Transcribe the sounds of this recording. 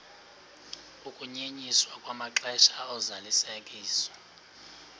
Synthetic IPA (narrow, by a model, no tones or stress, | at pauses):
ukʼuɲeɲiswakʼwamaǁɛʃaɔzalisekʼiːswɔ̥